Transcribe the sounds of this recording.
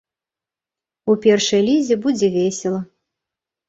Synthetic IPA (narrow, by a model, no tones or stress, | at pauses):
upʲɛrʂɐjlʲizʲɛbud͡zʲɛvʲesʲɛlˠɐ